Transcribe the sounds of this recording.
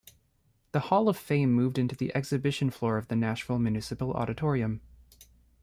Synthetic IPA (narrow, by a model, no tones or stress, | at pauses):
ðəhɔlˠʌv̥fẽɪ̃mːʉvdɪ̃ntʉðiʔɛksɨbɪʃɨ̃n̩flɔɹʌvðɨnæʃnl̩ˠmjʉnɪsɨpl̩ˠɔ̰ɾɨtʰɔɹiɨ̃m